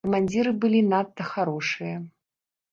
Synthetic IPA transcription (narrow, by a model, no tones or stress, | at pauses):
ɐmanʲd͡zʲiɾɨbɨlʲinat̪ːɐxaɾɔʂɨjɐ